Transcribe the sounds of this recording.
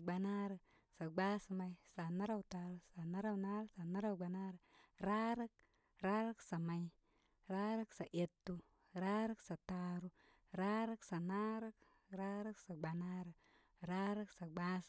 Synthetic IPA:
ɡ͡ba˨na˦ɾə˨ | sa˨ɡ͡ba˦sma˨jsa˨na˦ɾa˦wta˨ɾu˦sa˨na˦ɾa˦wna˦ɾə˦sa˨na˦ɾa˦wɡ͡ba˨na˦ɾə˨ɾa˦ɾə˦k̚ | ɾa˦ɾə˦ksa˨ma˨j | ɾa˦ɾə˦ksa˨ʔe˨tːu˦ | ɾa˦ɾə˦ksa˨ta˨ɾu˦ | ɾa˦ɾə˦ksa˨na˦ɾa˦k | ɾa˦ɾə˦ksa˨ɡ͡ba˨na˦ɾə˨ | ɾa˦ɾə˦ksa˨ɡ͡ba˦s

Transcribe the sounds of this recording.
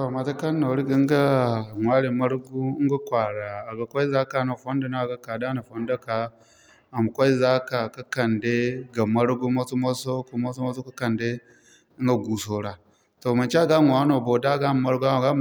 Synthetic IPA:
to˨ma˨ta˦ka˦nːo˨ɾi˦ɡi˦ŋɡa˦˨ŋʷa˦ɾi˨mɐ˦ɾɡu˦ŋɡa˦kʷa˨ɽaː˨ɡa˨kʷa˦i˦za˦ka˨na˨fo˦nda˨na˦˨ɡa˨ka˨da˦na˨ɸo˦nda˦ka˨ | a˨m˨kʷa˦i˦za˦ka˨ka˦kɐ˨nde˦ɡa˨mɐ˦ɾɡu˦mo˦su˦mo˦so˦ku˦mo˦so˦mo˦so˦ka˦kɐ˨nde˦ | i˦ŋɡa˨ɡu˨so˨ɾa˨ | to˨ma˨nt͡ʃe˦a˦˨ɡa˦ŋʷ˨a˦no˨bo˨da˦˨ɡa˦m˨ma˦ɾɡu˦a˦˨ɡa˦˨

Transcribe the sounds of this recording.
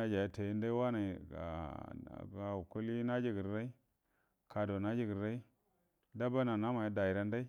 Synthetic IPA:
a˦d͡ʒa˨ja˦te˨ji˦nda˦i˦wa˦na˨a̰˨ | ɡa˨u˨ku˦li˦na˦d͡ʒi˦ɡi˨ɾɾa˦i˦ | ka˨do˨na˦d͡ʒi˦ɡi˨ɾɾa˦i˦ | da˦ba˦na˨na˦ma˨ja˦da˨i˨ɾa˦nda˦i˦

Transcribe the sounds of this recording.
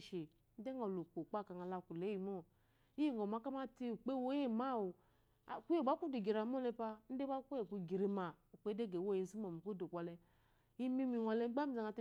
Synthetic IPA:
ʃe˨ | n̩˦de˦ŋo˨lo˨k͡po˨k͡pa˦˨ka˨ŋa˨la˧˨ku˨le˨˦ji˨mo˦ | i˦i˦˨ŋo˨ma˨˦ka˦ma˦ti˦u˨k͡pe˦wo˦e˦˨ma˦˨wo̰˨ | ku˦e˨ba˦ku˦de˨ɡi˨ɾa˨mo˦lɛ˧pa˧n̩˦de˦ba˦ku˦e˨ku˨ɡi˨ɾe˨ma˨u˨k͡pe˦de˦˨ɡe˨wo˦˨ji˨˦zi˦mo˨mi˨ku˦do˨kʷa˨lɛ˧ | i˦mi˦mi˨wa˨lɛ˦ɡ͡ba˦mi˦˨za˨ŋa˧˨t

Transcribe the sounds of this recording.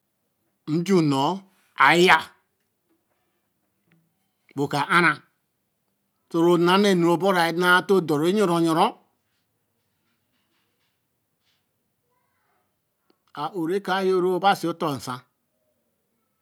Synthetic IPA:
n̩˦d͡ʒu˦˨no˨˦ | a˨˦ja˦ | bo˨ka˨ʔa˦ɾa˨ | to˨ɾo˨na˦ne˦˨nu˨o˨bo˦ɾa˨e˨˦na˦to˦˨do˨ɾe˦ɲo˦˨ɾo˨ɲo˨ɾo˦ | a˨ʔo˨ɾe˦ka˨˦jo˦ɾo˦o˦ba˦˨si˨o˦to˦˨n̩˨sã˦

